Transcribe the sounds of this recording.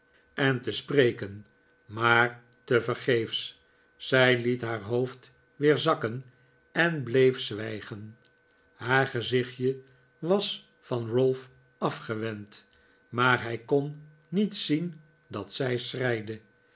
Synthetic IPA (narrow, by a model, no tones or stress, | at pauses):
ɛntəsprejkən | maːɹ | təvəɹχejfs | sɛjlitɦaːɹɦowft | ʋɪːɹzɑkən | ɛnblejfsʋɛjχən | haːɹχəzɪχjə | ʋɑs | fɑnrɵlˠf | ɑfχəʋɛnt | maːɹɦɛjkonː | itsin | dɑtsɛjsrɛjdə